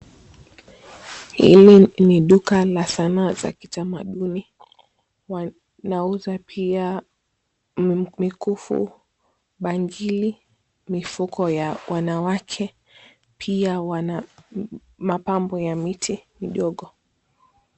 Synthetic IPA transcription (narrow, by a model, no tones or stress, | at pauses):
hḭliniɗukalasanaːza̰kitamaɗuni | wa | nauzapʰia | mikufṵ | ɓaŋɡili | mifukɔjawʔanawakʰɛ | pʰiawana | mapambɔjamitʰimiɗɔɠɔ